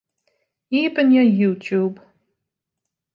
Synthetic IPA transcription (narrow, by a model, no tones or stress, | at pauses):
iːpʰʼɨnjɐjutʰuːb